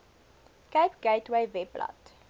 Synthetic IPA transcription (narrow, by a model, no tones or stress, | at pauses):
kəɪpɡ̥eɪtweɪvɛplɐ̰t